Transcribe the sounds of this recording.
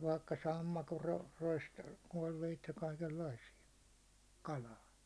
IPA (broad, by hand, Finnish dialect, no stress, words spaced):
ʋɑikːɑ sɑmːɑkor ro rois koiʋeit jɑ kɑikelːɑisijɑ kɑlɑː